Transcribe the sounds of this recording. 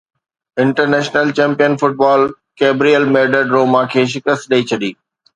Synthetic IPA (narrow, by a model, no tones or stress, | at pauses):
ɪ̃ɳʈəɾneːʃnəlt͡ɕɛ̃ːmpijənfʊʈ̚baːl | keːbɾiəlmeːɖəɖɾoːmãkʰeːʃ̬ɪkəst̪̚ɗɐit͡ɕʰɐɗiː